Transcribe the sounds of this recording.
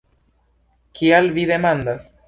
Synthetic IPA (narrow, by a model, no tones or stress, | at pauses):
kʰialvide̞mandas